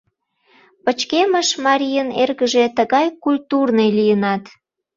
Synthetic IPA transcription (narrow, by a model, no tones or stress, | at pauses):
pət͡ɕkeməʃmɑɾʲijənerɣəʒet̪əɣɑjkulʲt̪urnəjlijənɑt̪